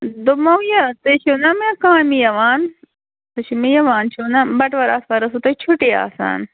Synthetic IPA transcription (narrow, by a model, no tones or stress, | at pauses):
d̪omɐwjat̪ɐt͡ʃʰunɐmẽkaːmijɐʋaːn | t̪ɐt͡ʃʰimijɐʋaːnt͡ʃʰunabɐʈʋɐɾaːspɐɾɐs̬ut̪ɐt͡ʃʰuʈia̰ːsa̰ːn